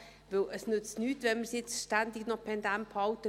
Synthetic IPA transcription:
ʋɪlʔəsnʏt͡stnyːtʋɛnməsjɪt͡sʃtændiɡnɔpʰɛndæmphɑltə

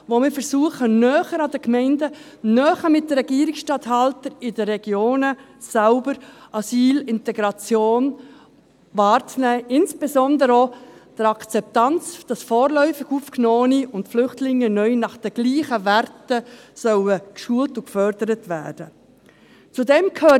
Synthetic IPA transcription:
ʋomɪːɾfəɾsuəχənœːχəɾɑd̥əkmɛɪndə | nœːχəmɪt̚dəɾɛɡ̥iəɾɪksʃtɑthɑltəɾɪdəːɛɡ̥joːnə | sæʊbəɾʔɑsiːlɪntɛɡɾɑt͡sjoːn | vɑːɾt͡snɛːʔɪnsb̥esɔndəɾod̥əɾɑkt͡sɛp̚tɑnt͡sd̥ɑsfɔːɾlœʏfɪɡuːfknoːniʊntflʏχtlɪŋːənœʏnɑχd̥əɡ̥liːχəvæɾtəsœwəkʃuːəltʊkfœɾd̥əɾətʋæ̰ːd̥ə | t͡sudɛmkʰhøː

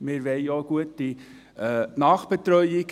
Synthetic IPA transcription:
mɪːɾʋeɪjoɡ̥uətːi | nɑːχb̥etɾœʏiɡ

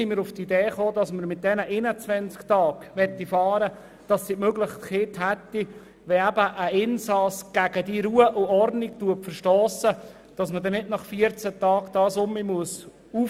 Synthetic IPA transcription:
imɪɾʊft̪ideːχoːdɑsməɾmɪt̚d̥ɛnəʔɪnət͡sʋɛnt͡sktɑːɡ̥ʋɛt̪ːifɑːɾə | d̥ɑsːimøɡlɪχtkɪːt̪ɦɛt̪ːi | ʋɛæbəʔːɪnsɑsɡ̥æɡ̥ədiɾuːəʔʊɔrdniktuəpfərʃtoːsə | d̥ɑsmədɛnɪdnɑχfiəɾt͡sət̪ɑːɡd̥̪ɑːsʊmimuəs | uː

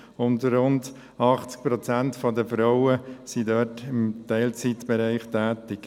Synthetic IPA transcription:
ʊndɾʊnd | ɑχt͡sk̚pɾɔt͡sæntfɔdəfɾaʊəsidœtɪmtɛɪlt͡sitb̥ɛɾæɪχtæːtɪk

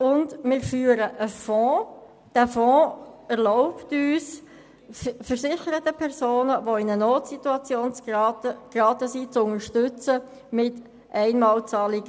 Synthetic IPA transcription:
ʊndmɪːɾfyːəɾəʔəfɔ̃ | d̥æːfɔ̃ːɛʁlɔʊptyːs | fəɾsɪχəɾət̪əpʰɛʁsoːnəvoɪnənoːtsit̪uɑt͡sjoːnt͡sːkrɑːtəsit͡sʊŋəɾʃtʏt͡sə | mɪt | ʔɛɪnmɑːlt͡sɑːlɪɡ̥ə

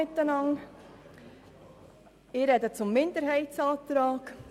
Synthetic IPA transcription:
ɪt̪ːənɑŋ | ɪɾɛd̪ət͡sʊmːɪnd̪əɾɦɛɪtsɑːt̪ɾɑːk

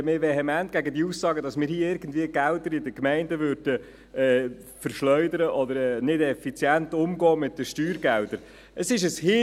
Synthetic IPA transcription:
mɪɾʋɛɦɛmænt̚ɡ̥æɡədiuːsːɑːɡədɑsmɪːɾhiːɪɾɡən̩dviəɡ̥ældəɾɪdəkmɛɪndəʋøɾd̥ə | ɛː | fəɾʃlœʏdəɾəʔɔd̪əɾɛːnɪdɛfit͡sjænt̪ʊmɡɔːmɪtːəʃtyːɾɡældəɾ | ʔəsɪʃəshɪ

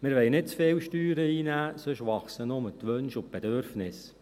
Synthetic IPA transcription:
mɪːɾʋɛɪnɪt̚t͡sfeːwʃtyːɾəiːnæːsøʃʋɑχsənomət̪ʋønʃʊnt̚b̥edøɾfnɪs

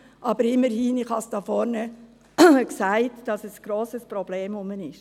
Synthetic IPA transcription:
ʔɑb̥əɾɪmːəɾhiːnɪχhɑsd̥ɑːfɔɾnə | ksæɪtd̥ɑsɛsɡ̥ɾoːsəspɾɔb̥leːmʊmənɪʃ

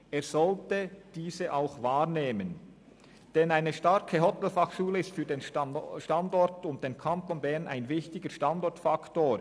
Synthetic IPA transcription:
eːɐz̥ɔltəd̥iːzəʔaʊxvaːʁneːmən | d̥ɛnaɪnəʃtaɾkʰəɦɔtɛlfaxʃuːləɪstfyːdeːnʃtandɔɾtʊnt̚d̥eːnkʰantonbɛʁnʔa̰ɪnvɪçtɪɡəʃtandɔɾtfaktoː

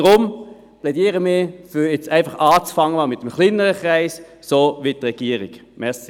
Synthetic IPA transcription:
d̥ʁʊm | plɛdiːəʁəmɪɐfʏɛt͡sæɪnfɑχɑːt͡sfɑŋːəmɪt̚ːmχlinəʁəχʁaɪs | soːʋitʁɛɡ̥iəʁɪɡmɛʁsi

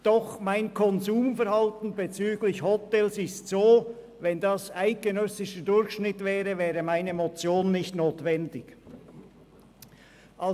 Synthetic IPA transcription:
d̥ɔχmaɪnkʰɔnzuːmfɛɾhɑltn̩bet͡syːɡlɪçhɔtɛlsɪstsoː | vɛndɑsaɪɡ̚ɡ̥enœsɪʃədʊɾçʃnɪtvɛːʁəvɛːʁəmaɪnəmot͡sjoːnːɪçtnoːtvɛndɪk | ʔɑ

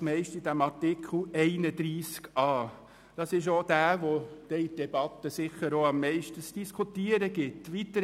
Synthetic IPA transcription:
mɛɪʃtid̥æmɑɾtɪkʰl̩ɛɪnəd̪ɾiːskɑː | d̥ɑsɪʃ̬od̥æːʋod̥ɛidɛb̥ɑt̪əsɪχəɾoɑmːɛɪʃtəsd̥iskʰutiːəɾəɡɪtʋit̪əɾ

